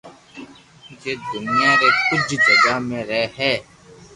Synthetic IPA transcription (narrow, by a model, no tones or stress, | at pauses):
d͡ʒeːd̪ʊnijãːɾeːkʊd͡ʒd͡ʒəɡaːmẽːɾɛɦɛː